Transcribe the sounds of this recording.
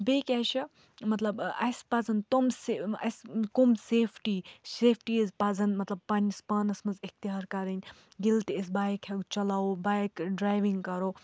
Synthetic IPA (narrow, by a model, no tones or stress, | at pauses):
bekʲɐʃʰɐ | mɐt̪lɐbɐjspɐzɐnt̪omseɐ̰skomseːpʰʈiːseːpʰʈiɐzpɐzɐnmɐt̪lɐb̚pɐnspaːnɐsmɐzik̚t̪iɦaːɾkɐɾɐnʲ | ɡilt̪esbajkʰheɡt͡ʃɐlaːobaːjkɖɾaːjʋiŋɡkɐɾoː